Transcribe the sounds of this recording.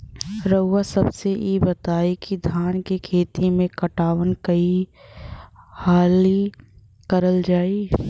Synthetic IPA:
ɾəːasəbseebət̪aːekid̪ʱaːnkekʰeːt̪imẽkəʈaːʋənkəi | haːli | kəɾəld͡ʒaːi

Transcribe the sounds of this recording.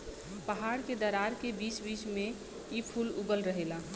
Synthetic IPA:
pəɦaːɽked̪əɾaɾkebiːsbiːsmẽ | ipʰuluɡəlɾəɦeːla

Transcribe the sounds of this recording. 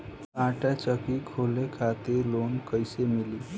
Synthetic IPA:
ãʈat͡ʃəkikʰolekʰat̪iɾlonkəjsemili

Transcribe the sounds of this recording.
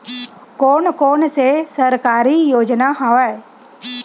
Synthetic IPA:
koːnkoːnsesəɾkaːɾijoːd͡ʒnaɦaʋae

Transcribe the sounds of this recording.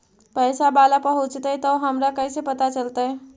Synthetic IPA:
pəjsabalapəɦut͡ʃt̪ət̪əwɦəmɾakəjsepət̪at͡ʃəlt̪ə

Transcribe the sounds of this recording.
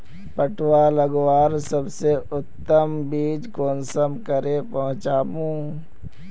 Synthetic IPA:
pəʈwaləɡwaːɾsəbseʊt̪ːəmbiːd͡ʒkoːnsəmkəɾeːpəɦʊ̃t͡ʃaːmũː

